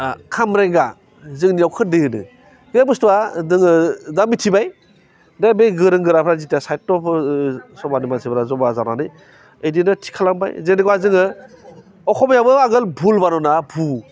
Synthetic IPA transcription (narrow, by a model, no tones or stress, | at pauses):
kʰamɾeŋɡa | zɯŋnijawkʰɯɾ̚deɯnɯ̰ | ɡebɯstuadɯŋɯdamitʰibaj | dabeɡɯɾɯŋɡɯɾapʰɾazitasajt̚tɔpʰsɔbanimansʰibɾazɔbazananɯj | əjdinɯtʰi̥kʰalaŋba̰jzeniɡwazɯŋɯ | ɔkʰɔmajabɯaɡɯlbʱulbanɔnabʱu